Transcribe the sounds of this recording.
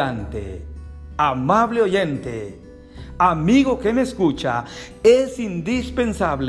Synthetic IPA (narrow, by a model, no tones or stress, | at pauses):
ant̪ḛ | amaβleojent̪ḛ | amiɣokemeskut͡ʃa | esind̪ispensaβl